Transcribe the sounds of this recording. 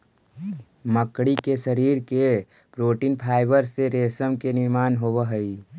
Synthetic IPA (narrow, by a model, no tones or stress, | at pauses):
məkɽikeʃəɾiːɾke | pɾoːʈiːnpʰaːɪbəɾseɾeːsəmkenɪɾmaːnɦoːʋəɦəi